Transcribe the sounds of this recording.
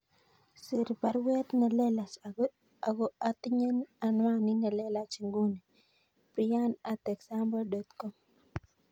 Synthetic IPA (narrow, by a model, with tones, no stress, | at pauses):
si˨ɾpa˨ɾwɛ˦t̪na˨lɛ˦la˨sa˨ɡo˦ | a˨ɡo˦at̪i˦ɲe˦na˨nwa˦nɪ˦na˨lɛ˦la˦t͡ʃi˨ŋɡu˦ne˨ | pɾija˦na˨t̪ɛ˨ksa˦mbɔ˦dɔ˨t̪kɔ˦m